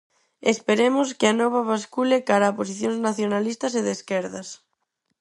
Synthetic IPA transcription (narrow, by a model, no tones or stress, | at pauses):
espeɾemoskɪanɔβ̞aβaskulɪkaɾaːpos̬iθjoŋznaθjonalist̪ɐseðeskeɾðɐs